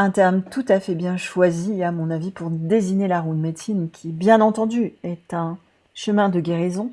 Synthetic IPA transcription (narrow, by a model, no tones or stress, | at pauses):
ɛ̃t̪ɛʁmt̪ut̪afɛbjɛ̃ʃwaziamɔ̃navipuʁd̪eziɲelaʁud̪met̪inkʲʰibjɛ̃nɑ̃t̪ɑ̃d̪yɛt̪ɛ̃ | ʃəmɛ̃d̪əɡʲeʁizɔ̃